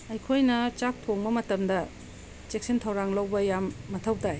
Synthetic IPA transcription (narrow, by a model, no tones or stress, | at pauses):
ɐjkʰojnɐt͡ʃak̚tʰoŋmɐmɐtɐmdɐ | t͡ʃek̚sintʰɐwɾaŋlɐwbɐjamːɐtʰɐwtaj